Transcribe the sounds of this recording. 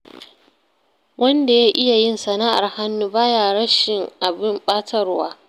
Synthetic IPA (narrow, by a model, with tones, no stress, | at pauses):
wʔɐ˦nda˨jaː˦ʔɪ˦ja˨jɪ˦nsɐ˨naː˦ʔa̰˨rha˦nːuː˦baː˦jaː˨ɽɐ˦ʃɪ˨ŋʔa˨bɪ˦mɓaː˦tʰɐ˦rwaː˦